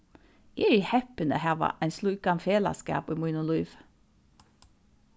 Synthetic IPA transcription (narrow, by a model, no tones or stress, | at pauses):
eɾhɛpənə̰hæːʋɑ̰ʔænslʉːkɑnfeːlɑ̰skɑ̰ːpiːmʊːnʊluːʋ